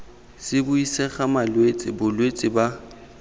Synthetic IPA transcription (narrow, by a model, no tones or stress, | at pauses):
sɪbʊisɛχamalwet͡sʼɪbʊlwet͡sʼɪba